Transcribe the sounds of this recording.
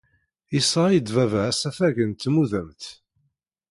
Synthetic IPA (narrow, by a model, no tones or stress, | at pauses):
isɑjəd̪vævəʕæsæfæʝənt̪muðæmt̪